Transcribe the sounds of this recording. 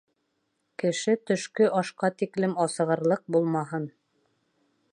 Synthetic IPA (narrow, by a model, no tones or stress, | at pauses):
kɘ̆ʃɘt̪ɵ̆ʃkɵʔɑʃqɑt̪iklɘmɑsɤ̆ʁɤ̆ɾlˠɤq̚bulˠmɑɦɤn